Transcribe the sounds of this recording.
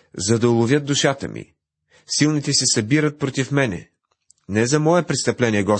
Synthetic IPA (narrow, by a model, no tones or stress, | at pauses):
zɐd̪ɐʊlˠʊvʲjət̪̚d̪ʊʃat̪ə̰mʔḭ | silˠnit̪ɛsɛsɐbiɾət̪̚pɾot̪ifmɛnɛ̰ | nɛzɐmɔɛpɾɛt̪st̪ɐplɛniɛɡɔ